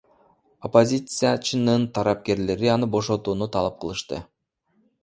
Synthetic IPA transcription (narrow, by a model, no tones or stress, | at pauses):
opo̞zʲit̪sɨjat͡ʃɯnɯnt̪ʰɑɾɑp̚ke̞ɾle̞ɾiɑnɯbo̞ʃo̞t̪uːnut̪ʰɑlˠɑp̚qʰɯlˠɯʃt̪ɯ̰